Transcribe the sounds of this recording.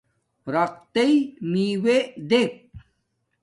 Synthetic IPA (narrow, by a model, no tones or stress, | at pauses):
ɾɐq̚t̪eimiwed̪ep̚